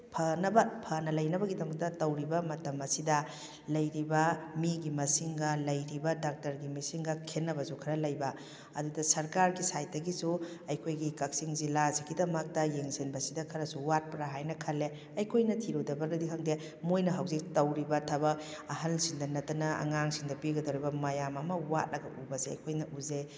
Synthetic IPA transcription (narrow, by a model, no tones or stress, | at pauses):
pʰɐnɐbɐpʰɐnɐlɐjnɐbɐɡidɐmɐk̚tɐtɐwɾibɐmɐtɐmɐsidɐ | lɐjɾibɐmiɡimɐsiŋɡɐlɐjɾibɐdak̚tɐɾɡimɐsiŋɡɐkʰenːɐbɐsukʰɐɾɐlɐjbɐ | ɐ̰dudɐsɐɾkaɾɡisajt̚dɐɡisuɐjkʰojɡikɐk̚siŋzilaziɡidɐmɐk̚tɐjeŋsinbɐsidɐkʰɐɾɐsuwat̚pɐɾaɦajnɐkʰɐlːe | ɐjkʰojnɐtʰiɾuwdɐbɐɾɐdiɦʰɐŋde | mojnɐɦawzik̚tɐwɾibɐtʰabɐɐɦɐlsiŋdɐnɐtɐnɐɐ̰ŋaŋsiŋdɐpiɡɐdowɾibɐmɐjamɐmɐwa̰t̚lɐɡɐʔubɐseɐ̰jkʰojnɐʔuze